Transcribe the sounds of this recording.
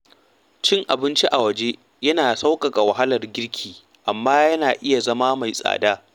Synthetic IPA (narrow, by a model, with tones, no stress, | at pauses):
t͡ʃɪ˦ŋʔa̰˨bɪ˦nt͡ʃi˦ʔa˨wɐ˨d͡ʒe˦ | jɐ˦naː˨sa˦wkʼɐ˨kʼa˨wɐ˨ɦa˦lɐ˨rɡʲɪ˦ɽkʲʰiː˨ | ʔa˨mːaː˦jɐ˦naː˨ʔɪ˦ja˨zɐ˦maː˦ma˨jsʼa̰ː˨daː˦